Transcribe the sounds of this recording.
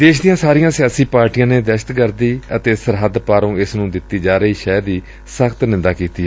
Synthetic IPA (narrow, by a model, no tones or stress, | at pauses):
d̪eːʃd̪ijãːsaːɾijãːsɪjaːsiːpaːɾʈijãːneːd̪ɛʃə̥t̪kəɾd̪iːət̪eːsəɾɦəd̪paːɾõːɪsnũːd̪ɪt̪ːiːd͡ʒaːɾəiːʃɛːd̪iː | səkt̪nɪ̃nd̪aːkiːt̪iː